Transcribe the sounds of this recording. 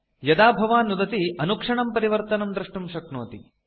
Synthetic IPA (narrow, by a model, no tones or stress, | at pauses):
jɐd̪aːbʱɐʋaːnːud̪ɐt̪iɐnukʂɐɳɐmpɐɾiʋɐɾt̪ɐnɐmd̪ɾɐʂʈumʃɐkno̰ːt̪i